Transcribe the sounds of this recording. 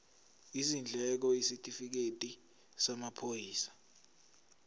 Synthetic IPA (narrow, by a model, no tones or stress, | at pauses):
izind͡ɮʱɛk̬ɔisitʼifik̬etʼi | samapʰojiːsḁ